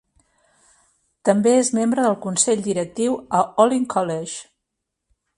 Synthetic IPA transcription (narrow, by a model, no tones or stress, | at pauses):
t̪əmbeezmembɾəðəlˠkunsɛʎd̪iɾək̚t̪iwəɔliŋkʰɔleʒ